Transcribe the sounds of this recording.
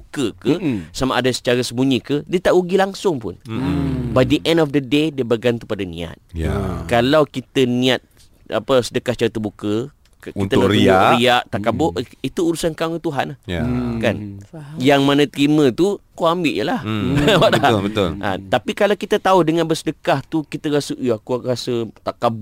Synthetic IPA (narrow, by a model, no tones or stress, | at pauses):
bukəkəsamaʔadasə̥t͡ʃaɾasəbuɲikədiət̪aʔuɡilaŋsʊŋpʊ̰n | bajdəʔɛ̃ndɔfdədedəbəɡant̪upadanḭ̃a̰t̪̚a̰kalawkit̪ənĩat̪̚ | a̰pəsədəkasət͡ʃaɾat̪əbukə | kint̪əaɾiaɾiaʔt̪akabʊʔit̪uːɾusankaŋət̪uɦanahjakanjaŋmãnə̃t̪əɾimə̃t̪ukoambɪʔjə̰lahwaʔlaət̪oa̰t̪apikalawkit̪ət̪audəŋanbəsədəkaht̪ukit̪əɾasəʔakurasət̪akab